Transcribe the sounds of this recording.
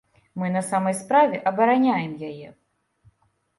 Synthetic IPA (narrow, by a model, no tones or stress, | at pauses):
mɨnɐsamɐjspɾavʲɛʔɐbɐɾanʲajɛmjajɛ